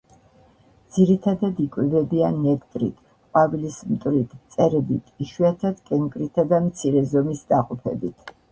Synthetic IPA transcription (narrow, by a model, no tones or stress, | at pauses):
d̪z̥iɾit̪ʰad̪ad̪ikʼwivɛbianɛkt̪ʼɾḭt̪ʰ | qʼwavilismt̪ʼɾit̪ʰt̪sʼɛɾɛbit̪ʰiʃwiat̪ʰad̪kʼɛŋkʼɾit̪ʰad̪amt̪sʰiɾɛzɔmisd̪aqʼɔpʰɛ̰bit̪ʰ